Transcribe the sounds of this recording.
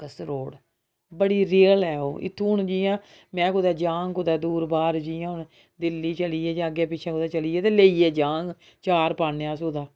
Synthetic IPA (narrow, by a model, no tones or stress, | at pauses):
kəsɾoːɽ | bəɽiːɾiːəlɛːo̰ːʔɪ̰t̪ʰːũːnd͡ʒiːãː | mɛ̃ːkʊd̪ɛːd͡ʒãːŋkʊd̪aːd̪uːɾbaːɾd͡ʒiːãːʊɳ | d̪ɪlːiːt͡ʃəliːɛːd͡ʒãːɡɛːpɪt͡ʃʰãːkʊd̪aːt͡ʃəliːɛːt̪eːleːiːɛːd͡ʒãːɡ | t͡ʃaːɾpaːneãːsuːd̪aː